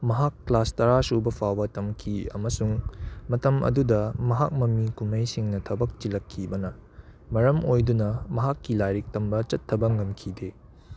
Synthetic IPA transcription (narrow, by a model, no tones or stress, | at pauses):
mɐɦakːlastɐɾasubɐpʰawbɐtɐmkʰiɐ̰mɐsuŋmɐtɐmʔɐ̰dudɐmɐɦak̚mɐmikumɐjsiŋnɐtʰɐbɐk̚t͡ʃilɐkʰːibɐnɐ | mɐɾɐmojdunɐmɐɦakːilajɾik̚tɐmbɐt͡ʃɐtʰːɐbɐŋɐmkʰide